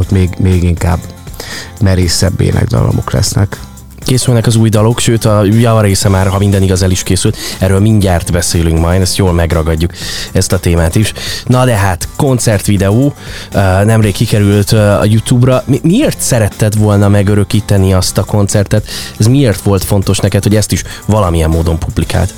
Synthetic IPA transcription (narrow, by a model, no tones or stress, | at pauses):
ot̪meːɡmeːɡiŋka̰ːb | mɛɾeːsɛbːḛːnʔɛ̰ɡd̪ɒ̰lo̰mo̞klɛ̰snɛk | keːsylnɛkɒzuːjd̪ɒlo̞kʃøːt̪ɒjɒvɒɾeːsɛmaːrɦɒmind̪ɛniɡɒzɛliʃkeːsylt̪ɛrøːlmiɲɟaːrt̪bɛseːlyŋkmɒjd̪ɛst̪joːlmɛɡrɒɡɒɟːukɛst̪ɒt̪eːmaːt̪iʃnɒd̪ɛɦaːt̪ko̞nt̪sɛrt̪ʋid̪ɛoː | nɛmreːkːikɛɾylt̪ɒ̰jut̪juːbrɒmimieːrt̪sɛɾɛt̪ːɛt̪ʋo̞lnɒmɛɡøɾø̞kiːt̪ɛniɒst̪ɒko̞nt̪sɛrt̪ɛt̪ɛzmieːrt̪ʋo̞lt̪fo̞nt̪o̞ʃnɛkɛt̪ho̞ɟɛst̪iʃʋɒlɒmiɛmːoːd̪o̞mpublika̰ːlt̪